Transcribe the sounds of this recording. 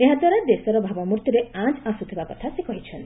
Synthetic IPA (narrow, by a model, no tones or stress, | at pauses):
eɦad̪waɾad̪esɔɾɔbʱabɔmuɾt̪juɾeãd͡ʒasut̪ʰibakɔt̪ʰasekɔɦit͡ʃʰɔnt̪i